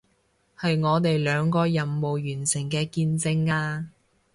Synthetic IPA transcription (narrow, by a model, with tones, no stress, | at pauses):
hɐ˨jŋɔː˨˧t̪e˨jlœː˨˧ŋkɔː˧jɐ˨mːo˨wjyː˨˩nsɪ˨˩ŋkɛː˧kiː˧nt͡sɪ˧ŋaː˧